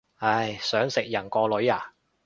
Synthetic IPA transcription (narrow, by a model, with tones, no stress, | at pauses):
ɐ˧˩jsœː˨˥ŋsɪ˨k̚jɐ˨˩nkɔː˧lɵ˨˥ɥaː˨˧